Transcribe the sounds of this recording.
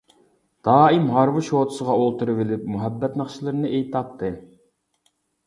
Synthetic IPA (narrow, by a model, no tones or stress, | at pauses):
d̪̥ɑːimɦɑɾvɨʃot̪ʰʊ̥səʁɑolˠt̪uɾɨvɪlɪp̚muɦɛbːɛt̪nəχʃilˠɨɾnɨʔejt̪ʰɑp̚t̪ʰːɨ